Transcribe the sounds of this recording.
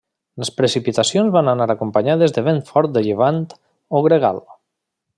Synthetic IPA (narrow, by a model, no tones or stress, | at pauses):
lespɾesipit̪asjonzβananaɾakompaɲað̞ezðeβenfɔɾt̪̚d̪eʎeβ̞ant̪ | oɣɾeɣa̰l